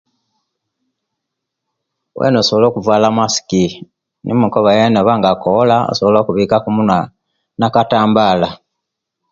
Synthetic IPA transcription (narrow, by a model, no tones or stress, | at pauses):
wʔḛnosoβolo̞ːkuvwaːlamasi̥ki | nʔḭmukoβajenoβaŋɡakolao̰soβolo̞ːkuβiːkakumuna | nakataːmbaːla